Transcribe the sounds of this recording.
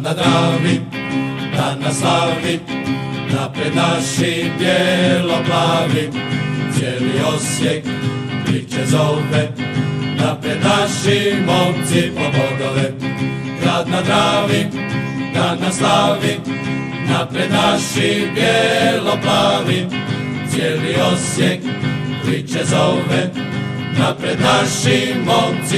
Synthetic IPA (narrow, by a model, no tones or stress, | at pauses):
nːad̪ɾavi | ɾanːasavi | napɾenaʃːibjɛloplavit͡ʃɛliɔsje | ɾit͡ʃːezɔlbenapɾenaʃːimɔlt̪ifomɔd̪ole | ɡɾad̪nad̪ɾavi | ɡɾad̪naslavi | napɾɛd̪naʃːibjɛlɔplali | t͡ʃjɛliɔsjɛk | ɾit͡ʃːɛzɔmɛ | napɾɛd̪naʃːimɔnt̪zi